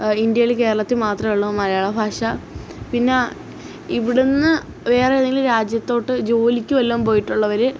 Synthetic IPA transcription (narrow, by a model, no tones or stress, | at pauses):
ind̪jɐilke̞ːɾɐɭɐt̪ːimaːt̪rɐmeɭːumɐɾɐjaːɭɐbʱaːʂɐpinːe | iʋiɽenːɨ | ʋe̞ːreðeŋɡilɾaːd͡ʑjɐt̪ːo̞ːʈːɨd͡ʑo̞ːlikʲːuʋɐlːɐːmpo̞ːjiʈːuɭːɐʋɐɾɨ